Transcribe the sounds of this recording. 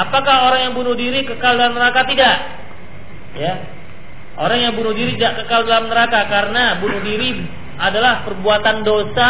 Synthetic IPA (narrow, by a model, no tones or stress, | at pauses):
apakahoɾaŋjaŋbunʊhdiɾikəkaldalamnəɾakat̪idaʔ | ja | ʔo̰ɾaŋjaŋbunʊhdiɾit̪idaʔkəkaldalamnəɾakakaɾənabunuhdiɾi | adalahpərbuat̪andosa